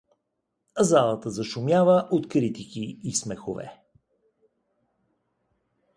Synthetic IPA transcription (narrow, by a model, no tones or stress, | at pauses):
zalˠət̪əzɐʃʊmʲjavəʔot̪kɾit̪ikiːsmɛxovɛ̰